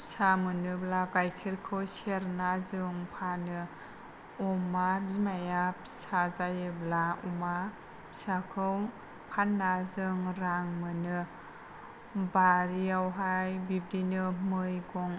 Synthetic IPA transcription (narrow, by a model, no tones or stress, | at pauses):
samɯnɯblaɡajkʰiɾkʰɯwseɾnazɯŋpʰanɯ | ɔmazimajap̚sazajɯblaɔma | sakʰɯw | pʰanːazɯŋɾaŋmɯnɯ | baɾiawɦajbib̚dinɯmɯjɡɔŋ